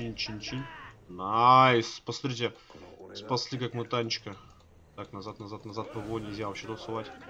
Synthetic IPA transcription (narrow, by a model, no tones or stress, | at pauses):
inʲt͡ʃinʲt͡ɕinʲnajspɐst̪ɾʲitʲespɐsʲlʲikakmɨt̪anʲt͡ɕkə | t̪aknɐzat̪nɐzat̪nɐzat̪̚pəvojnʲɪlʲzʲavɐɕet̪əlˠsʊvatʲ